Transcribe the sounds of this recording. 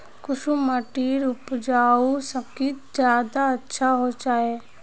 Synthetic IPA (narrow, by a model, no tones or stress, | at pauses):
kʊʃuməʈiːɾʊpd͡ʒaːusəb̚kid͡ʒjaːd̪aɐtːʃʰaɦod͡ʒaːe